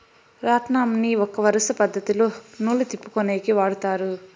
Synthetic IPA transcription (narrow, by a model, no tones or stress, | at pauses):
ɾaːʈ̪naːmɐniɔkːɐʋɐɾɐsɐpɐd̪ʱːɐt̪ilunuːlut̪ipːu̥koneːɡiʋaːɽut̪aːɾu